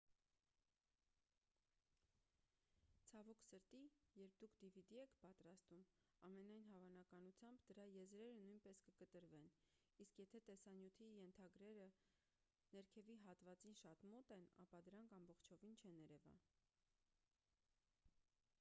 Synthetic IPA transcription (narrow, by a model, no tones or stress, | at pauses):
t͡sʰɑvɔkʰsəɾt̪ijɛɾp̚d̪ukʰd̪ivid̪iɛkʰpɑt̪ɾɑst̪umɑmɛnɑjnɦɑvɑnɑkɑnut͡sʰjɑmbd̪əɾɑjɛzɾɛɾənujnpɛskəkət̪əɾvɛn | iskjɛt̪ʰɛt̪ɛsɑnjut̪ʰijɛnt̪ʰɑɡɾɛɾə | nɛɾkʰɛviɦɑt̪vɑt͡sinʃɑt̪mɔt̪ɛnɑ̰pɑd̪əɾɑŋkʰɑmbɔχt͡ʃʰɔvint͡ʃʰɛnɛɾɛvɑ̰n